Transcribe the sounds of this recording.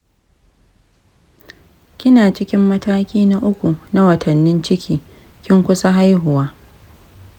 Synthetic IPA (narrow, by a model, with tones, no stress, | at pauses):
kʲɪ˦naː˨t͡ʃɪ˦kʲɪ˦mːɐ˦taː˦kʲiː˦na˦ʔʊ˦kʷu˨na˦wɐ˨tʰɐ˨nːɪ˦nt͡ʃɪ˦kʲʰiː˨ | kʲɪ˦ŋkʷʊ˦sa˦ɦa˦jɦʊ˨waː˦